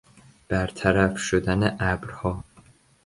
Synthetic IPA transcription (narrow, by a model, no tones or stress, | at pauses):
b̥æɾt̪ʰæɾæfʃod̪æneʔæbɾhɒː